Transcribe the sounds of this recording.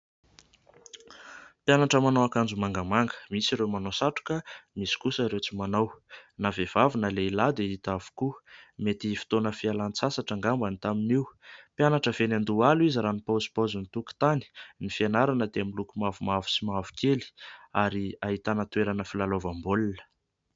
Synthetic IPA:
pjanaʈ͡ʂəmanowakand͡zumaŋɡəmaŋɡə̥misiɾewmanosaʈ͡ʂu̥kəmisi̥kusəɾewt͡simanawnavev̥avunəleilad̪eit̪avu̥kumet̪ifi̥t̪onəfialant͡sasaʈ͡ʂaŋɡambanit̪aminiwpjanaʈ͡ʂəvenand̪ualuiziɾanipauzi̥pozunit̪uku̥t̪ani̥nifianaɾanəd̪eamilukumavumavu̥simavu̥keli̥aɾiaɦit̪anət̪weɾanəfilalovambolinə̥

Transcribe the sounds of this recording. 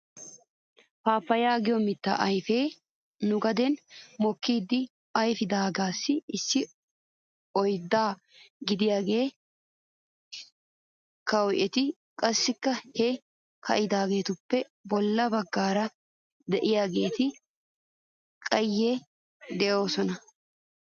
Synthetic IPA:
paːpːɐjaːɡɪjɔmɪt̪ːa̰ʔɐjfe̞ː | nʊɡɐd̪ɛnmɔkːiːd̪ːɪ | ɐjfɪd̪aːɡaːsːɪɪsːɪ | ɔjd̪ːaː | ɡɪd̪ɪjaːɡe̞ː | kɐwʔɛt̪ɪ | kʼɐsːɪkːɐhɛ | kʰɐ̰ʔɪd̪aːɡe̞ːt̪ʊpːɛ | bɔlːɐbɐɡːaːɾɐ | d̪ɛʔɪjaːɡe̞ːt̪ɪ | kʼɐjːɛ | d̪ɛʔo̞ːsɔnɐ

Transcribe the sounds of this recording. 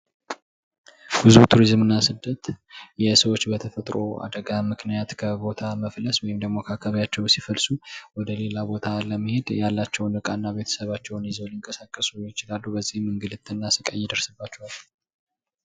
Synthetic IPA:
bɨzut̪ʰuɾizmɨnːasɨd̪ːət̪jɛsəwo̞t͡ʃːbət̪ʰəfət̪ʼɾo̞a̰d̪əɡamɨknijat̪kʰəbo̞t̪ʰaməfləswɔjɪmd̪əɡmo̞kʰakʰəβjat͡ʃːɛwsifəlsuwɔd̪əle̞labo̞t̪ʰaləməhe̞d̪jalːat͡ʃːɛwnɨkʼanːaβe̞t̪ʰə̥səβat͡ʃːɛwnɪzoljɪŋkʼəsakʼːəsujɪt͡ʃɪlalːubəzːihmɨŋɡɨlɨt̪ʰʼːɨnːasɨkʼə̰jːɪd̪əɾsɨbːat͡ʃːɛwalːu

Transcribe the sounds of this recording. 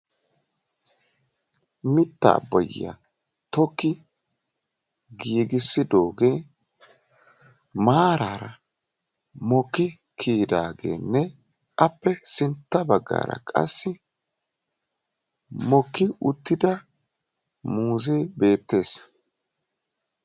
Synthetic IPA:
mɪt̪ːɐ̰ːbːɐ̰jɪa̰ | t̪ɔkːɪ | ɡiːɡɪsːɪd̪o̞ːɡeː | maːɾaːɾɐ | mɔkːɪ | kʰiːd̪aːɡe̞̰ːnːɛ | ʔɐpːɛsɪnt̪ːɐbɐɡːa̰ːɾɐ̰kʼɐ̰sːɪ | mɔkːɪʊt̪ːɪd̪ɐ | muːzeːbe̞ːt̪ːe̞ːs

